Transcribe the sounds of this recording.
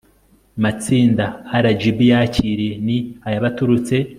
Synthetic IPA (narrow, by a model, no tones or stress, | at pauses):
mat͡siːndaaɾad͡ʒibijaːcʰiɾe̞niajaβatuɾut͡se̞